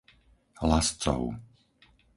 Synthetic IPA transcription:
ɦlast͡sɔ̰ʊ

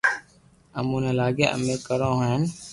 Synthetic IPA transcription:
əmũːnẽːlaːɡḛːʔə̰meːkəɾõːɦoɦən

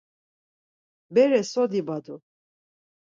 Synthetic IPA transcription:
bɛɾɛsɔd̪ibad̪u

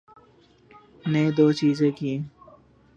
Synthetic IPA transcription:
nẽd̪oːt͡ʃiːzẽkiẽː

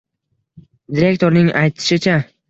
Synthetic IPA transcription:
d̪ɪɾe̞k̚ʲt̪o̞ɾnɪŋajt̪ʰɪ̥ʃɪt͡ʃʰa

